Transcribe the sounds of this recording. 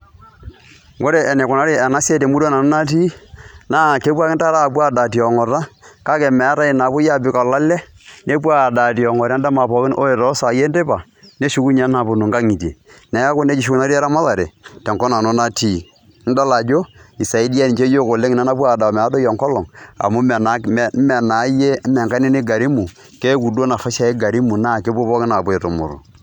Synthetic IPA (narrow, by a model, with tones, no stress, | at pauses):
wo˦ɾe˨ʔɛ˨ne˨kʊ˨na˦ɾe˦ɛ˨na˦se˦te˨mu˦do˦na˨no˦na˦t̬i˦naː˦˨ke˦p̬a˦kɪ˦nta˦ɾa˦˨pwa˦˨da˨ti˨ɔ˨ŋɔ˨ɾa˦ka˦kɛ˨mɛ˨a˦ta˦i˨na˨pʊ˦ja˦˨bɪ˨˦ka˨la˦lɛ˦ | ne˦pwa˦˨da˨ti˨ɔ˨ŋɔ˨ɾn˦da˦ma˨pɔ˨kɪ˦nʔo˦e˨tɔ˦sa˨je˦nde˦ba˨ | ne˦ʃu˦ku˦ɲa˦na˨bʊ˨no˨ŋɡa˦ŋi˨tḛ˨nɛ˨˦a˦kʊ˦ne˦t͡ʃi˨ʃ̬u˦ku˦na˦ɾi˦a˦ɾa˦ma˦ða˨ɾe˨tɛ˨ŋkɔ˦na˨no˦na˦ti˦˨ | n˦da˦la˨d͡ʒo˦i˨sa˨i˦di˦a˦ni˨t͡ʃe˦jo˦ko˨le˦ŋi˨na˦na˦p̬wa˦˨da˨mɛ˨a˦do˦jɔ˨ŋkɔ˦lɔ˨ŋa̰˨mu˦˨n˦mɛ˨na˨˦je˦mɛ˨ŋka˦ne˦ni˦ɡa˨ɾi˦mu˨ | ke˦ku˨do˦na˨fa˦ʃa˦e˦ɡa˨ɾi˦mu˨na˦˨ke˦p̬o˦pɔ˦kɪ˦na˨bo˦e˨to˨mʊ̰˨ɾo̰˨